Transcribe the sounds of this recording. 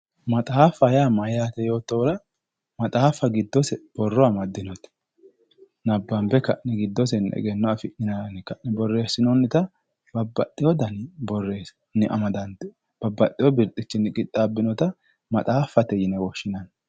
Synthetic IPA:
mɐt̪ʼaːfɐjaːmɐjat̪ɛjo̞ːt̪ːɔwɾɐ | mɐt̪ʼaːfɐɡɪd̪ːɔsɛb̥ɔrːɔɐmɐd̪ːɪnɔt̪ɛ̥ | nɐbːɐmbɛkɐʔnːɛɡɪd̪ːɔsɛnɛ̰ɡɛnːɔɐfɪʔɪnɐnɪkɐʔnɪbɔrːe̞ːsːɪnɔnːɪt̪ɐ | bɐbːɐt̪ʼːɪjɔd̪ɐnɪbɔrːe̞ːs | nɪʔɐ̰mɐd̪ɐnt̪ɛ | b̥ɐbːɐt̪ʼːɪjɔbɪɾt̪ʼːɪt͡ʃːɪnɪkʼɪt̪ʼːabːɪnɔt̪ɐ | mɐt̪ʼaːfːɐt̪ɛjɪnɛwɔʃːɪnɐn

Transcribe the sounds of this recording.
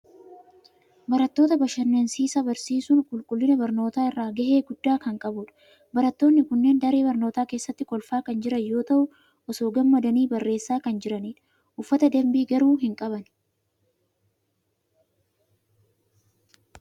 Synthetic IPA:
bɐɾɐt̪ːo̞ːt̪ɐbɐʃɐnːensiːsɐbɐɾsiːsʊŋkʼʊlkʼʊlːɪnɐbɐɾno̞ːt̪aːɪrːaːɡɐhe̞ːɡʊd̪ːaːkɐŋkʼɐbʊᶑɐ̥ | bɐɾɐt̪ːo̞ːnːɪkʊnːe̞ːnd̪ɐɾe̞ːbɐɾno̞ːt̪aːke̞ːsːɐt̪ːɪkʼɔlfaːkɐnd͡ʒɪɾɐjo̞ːt̪ɐʔʊ | ʔɔso̞ːɡɐmːɐd̪ɐniːbɐrːe̞ːsːaːkɐnd͡ʒɪɾɐniːᶑɐ̥ | ʔʊfːɐt̪ɐd̪ɐmbiːɡɐɾuːɦɪŋkʼɐβɐn

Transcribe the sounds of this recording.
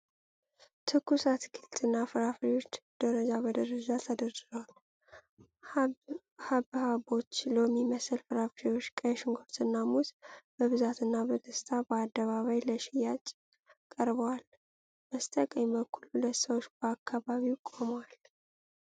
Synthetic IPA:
t̪ʰɨkːusat̪kʰilt̪ʰʼɨnːafɨɾafɾiwo̞t͡ʃːd̪̥əɾəd͡ʒabəd̪əɾəd͡ʒat̪ʰəd̪əɾd̪ɨzəwal | haβhaβo̞t͡ʃːləmːiməsɨlfɨɾafɾiwo̞t͡ʃːkʼəjʃɪŋɡoɾt̪ʰɨnːamut̪b̥əβɨzat̪ʰɨnːabəd̪əst̪ʰabəad̪ːəβaβajləʃɪjat͡ʃʼ | kʼəɾbəwal | məst̪ʼəkʼəɲbəkʰːululət̪səwot͡ʃːb̥əakʰːaβaβiwkʼoməwal

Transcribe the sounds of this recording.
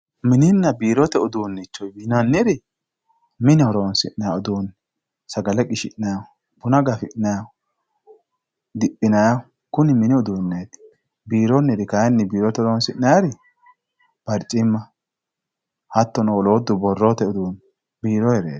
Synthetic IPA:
mɪnɪnːɐbiːɾɔt̪ɛʊd̪uːnːɪt͡ʃːɔjbinanːɪɾɪ | mɪnɪɔɾoːnsɪ̰ʔnːɐjaɔd̪uːn | sɐɡɐlɛkʼɪʃɪ̰ʔnɐja | b̥ʊnɐɡɐfɪʔnɐja | d̪ɪpʼːɪnɐja | kʊnɪmɪnɪʊd̪unːeːt̪ | biːɾɔnːɪɾɪkɐjɐnːɪbiːɾɔt̪ɛɔɾɔnsɪnːɐjaɾɪ | b̥ɐɾt͡ʃʼːɪmːɐ | hɐt̪ːɔnɔɔloːd̪ːʊbɔrːot̪ɛʊd̪uːn | biːɾɔhɛɾḛːt̪

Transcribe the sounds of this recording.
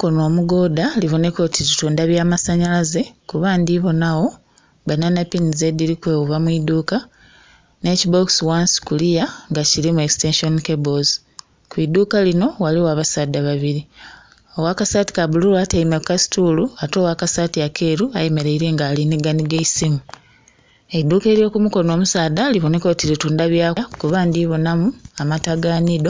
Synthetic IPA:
kono̞ːmuɡo̞ːdaliβo̞ne̞ko̞tʰitutuːndaβjaːmasaɲalaze̞kuβaːndiβo̞nawo̞ | bananapinize̞diɾikwe̞ːwuβamwiduːka | ne̞ːcibo̞kswanskulijaŋɡaciɾimue̞kste̞nʃonkeboz | kwiːduːkalino̞waliwaːβasaːdːaβaβiɾi | owakasaːti̥kabululatajimakasi̥tuluato̞ːwakasaːtijakʰe̞ːɾuajemeɾeiɾe̞ːŋɡaːliniɡaniɡeisimu | e̞iduːke̞ːɾijo̞ːkumuko̞no̞ːmusaːdaliβoneko̞tiɾetuːndaβjakuβaːndiβonamuamataɡaːnido

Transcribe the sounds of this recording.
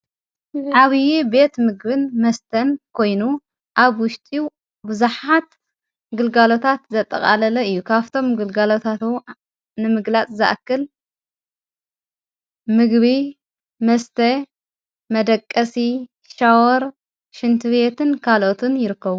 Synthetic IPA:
ʕaβijibe̞t̪mɨɡbɨnmɐst̪ʰɐnkʰo̞jnu | ʔaβwʊʃt̪ʼi | bɨzuħat̪ | ɡɨlɡalo̞t̪ʰat̪zɐt̪ʼːɐ̰kʼa̰lɐlɐɨjːukʰaβt̪ʰo̞mɡɨlɡalo̞t̪ʰat̪ | nɨmɨɡlat͡sʼzɨʔa̰kːɨl | mɨɡβi | mɐst̪ʰɐ | mɐd̪ɐkʼːɐsi | ʃawɔɾ | ʃɨnt̪ʰɨβe̞t̪ʰɨnkʰalʔot̪ʰɨnjɪɾɨkːɐβu

